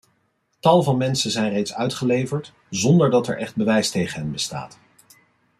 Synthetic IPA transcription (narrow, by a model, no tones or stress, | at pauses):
tɑlˠvɑnmɛnsəzɛjnrejtsœɥtχəlejvəɹt | zɔndəɹdɑtɛ̰ɹʔɛχd̚bəʋɛjstejχənɦɛnbəsta̰ːt